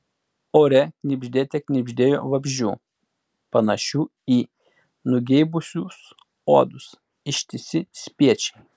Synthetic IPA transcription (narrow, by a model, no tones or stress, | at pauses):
oːɾʲɛknʲɪbʲʒʲd̪ʲeːt̪ʲɛknʲɪbʲʒʲd̪ʲeːjo̰ːʋɐbʲʒʲṵː | pɐnɐʃʲuːiː | nʊɡʲɛɪbʊsʲus | oːd̪ʊs | ɪʃʲt̪ʲɪsʲɪsʲpʲiɛt͡ʃʲɛ̥ɪ